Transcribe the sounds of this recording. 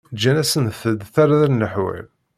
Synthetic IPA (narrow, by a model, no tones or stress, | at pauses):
d͡ʒːænæsənθəd̪θaɾaðɾnːəħwḭl